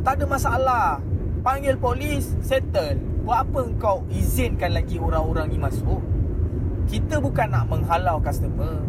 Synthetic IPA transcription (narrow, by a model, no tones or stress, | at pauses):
t̪adəmasaalahpaŋɡɪlpolisːet̪ənwəapəəŋkawhizɪnkanlaɡioɾaŋoɾaŋnimasʊʔ̚ | kit̪əbukanːaʔməŋɦalawkast̪əmə